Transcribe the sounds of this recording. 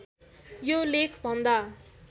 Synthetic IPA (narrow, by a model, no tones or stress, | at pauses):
jolekʰbʱʌnd̪a